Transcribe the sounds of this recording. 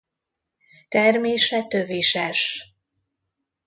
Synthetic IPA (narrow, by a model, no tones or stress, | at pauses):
t̪ɛrmeːʃɛt̪øviʃɛʃ